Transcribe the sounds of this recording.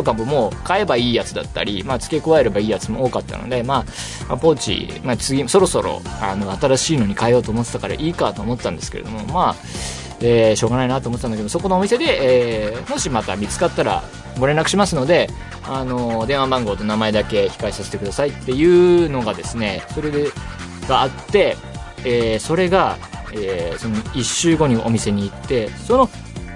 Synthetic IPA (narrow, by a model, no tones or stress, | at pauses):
t̪okamomo̞ːkae̞baiːjat͡sɨd̪a̰t̪ːa̰ɾʲimat͡sɨ̥ke̞koβae̞ɾe̞baiːjat͡sɨmooːkat̪ːa̰no̞̰d̪e̞maː | ma̰po̞ːt͡ɕḭmat͡sɨɡʲimso̞ɾo̞so̞ɾo̞̰a̰no̞at̪aɾaɕiːnoɲ̟ikaejo̞ːt̪o̞ːmo̞t̪e̥t̪akaɾa̰ʔiːkat̪o̞ːmot̪eːãnd̪eske̞ɾḛd̪o̞̰mo̞ma | eːɕo̞ːɡanainat̪ːomot̪tːanakeosoko̞no̞ːmʲise̞d̪e̞ʔeːmo̞ɕimat̪amʲit͡sɨ̥kat̪ːaɾa̰ | ɡo̞ɾenɾakɯ̟ɕimasɨno̞d̪e̞ | ano̞d̪e̞ɰ̃wabãŋɡo̞ːt̪o̞namae̞d̪ake̞çi̥kaisaset̪e̞kɯ̟d̪asait̪ːe̞jɯ̟ːno̞ɡad̪e̞sɨne̞so̞ɾe | ɡ̥aat̪ːe̞ | eːso̞ɾe̞ɡaeːso̞noiɕːɨːɡo̞ɲ̟iʔo̞̰mʲise̞ɲ̟iːt̪ːe̞so̞no̞